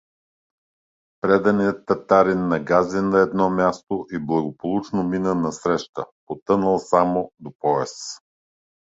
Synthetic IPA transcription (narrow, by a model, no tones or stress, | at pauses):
pɾɛd̪ɐniət̪ːɐt̪aɾinːɐɡazɛnɐɛd̪nɔmʲjast̪oʔiblˠɐɡopolˠut͡ʃnominənɐsɾɛʃt̪ə̰pot̪ɤnəlˠsamod̪opɔɛs